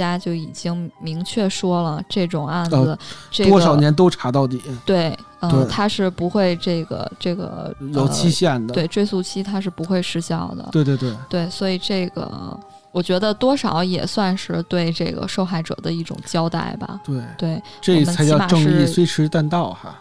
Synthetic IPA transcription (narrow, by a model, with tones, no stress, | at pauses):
t͡ɕja˥t͡ɕjo˥˩ʊi˨˩t͡ɕi˥ŋmi˧˥ŋt͡ɕʰɥɛ˥˩ʂwɔ˥lə˨ʈ͡ʂɤ˥˩ʈ͡ʂʊ˨˩ŋa˥˩n̩˧˩ʈ͡ʂɤ˥˩wɔ˥ɡʂɑ˨˩ʊnjɛ˧˥nt̪o˥ʊʈ͡ʂʰa˧˥t̪ɑ˥˩ʊt̪̬i˨˩˦t̪we˥˩ɪ | ə˥˧˩t̪ʰa˥ʂɻ̩˥˩pu˧˥xwe˥˧ɪʈ͡ʂɤ˥˩ɡə̰˩ʈ͡ʂɤ˥˩ɡə̰˩jo˨˩ʊt͡ɕʰi˥ɕjɛ˥˩nd̪əwe˥˧ɪʈ͡ʂwe˥˧ɪsu˥˩t͡ɕʰi˥t̪ʰa˥ʂ̬ɻ̩˥˩pu˧˥xwe˥˧ɪʂɻ̩˥˧ɕjɑ˥˩ʊd̪ə̰˩wt̪we˥˩˧t̪wɪt̪we˥˩ɪswɔ˧˥i˨˩ʈ͡ʂɤ˥˩ɡə̰˩ | wɔ˨˩t͡ɕɥɛ˧˥d̪ə˧t̪wɔ˥ʂɑ˨˩˦ʊjɛ̰˨˩swa˥˧nʂɻ̩˥˧t̪we˥˧ɪʈ͡ʂɤ˥˩ɪɡə̰˩ʂo˥˧ʊxa˥˩ɪʈ͡ʂɤ̰˨˩d̪ə˦i˥˩ʈ͡ʂʊ̰˨˩ŋt͡ɕjɑ˥ʊt̪a̰˥˩ɪbɐ̰˩t̪we˥˩ɪwe˥˩ɪwʈ͡ʂɤ˥˩˨mə˦˥a˧˥jma˨˩˧ɤ˥˧ʂŋɻ̩˥i˥˩we˥ɪʈ͡ʂʰɻ̩˧˥˧t̪a˥˧nt̪ɑ˥˩ʊxa̰˩